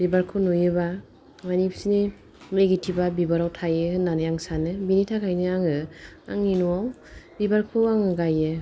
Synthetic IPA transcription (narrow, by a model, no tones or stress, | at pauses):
bibaɾkʰɯnojɯba | manipsini | meɡitʰibabibaɾawtʰajɯɯnːanɯjaŋsanɯbinitʰakʰajnɯaŋɯa̰ŋːinuwaw | bibaɾkʰɯaŋɯɡajɯ